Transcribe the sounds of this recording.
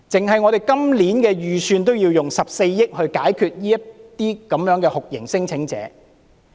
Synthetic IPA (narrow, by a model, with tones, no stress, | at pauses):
t͡sɪ˨ŋɦɐ˨jŋɔ˨˧ɾe˨˩jkɐ˥mliː˨˥nkɛː˧jyː˨syː˧nt̪o˥wjiː˧wjʊ˨ŋsɐ˨p̚se˧jːɪ˥k̚hɵ˧ɥkaː˨˥jkʰyː˨˧t̚jiː˥jɐ˥tt̪iː˥kɐ˨˥mjœː˨˥ŋkɛː˧hʊ˨k̚jɪ˨˩ŋsɪ˥ŋt͡sʰɪ˨˥ŋt͡sɛ̰ː˨˦